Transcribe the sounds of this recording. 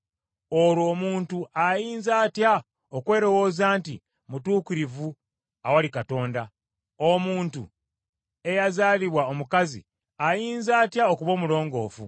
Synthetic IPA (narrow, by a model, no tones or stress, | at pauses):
oɾwo̞ːmuːntuajiːnzaːtja | okwe̞ːɾo̞wo̞ːzaːntḭ | mutuːkiɾivu | awalikato̞ːnda | o̞muːntṵ | e̞jazaːliβwaomukazḭ | ajiːnzaːtjao̞kuβo̞ːmulo̞ːŋɡo̞ːfṵ